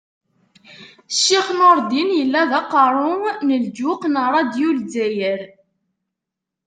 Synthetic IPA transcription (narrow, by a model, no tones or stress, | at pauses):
ʃːiχnoɾˤd̪injəlːæðæqɑɾˤʊnəld͡ʒuqnəɾˤɑd̪julzæjəɾ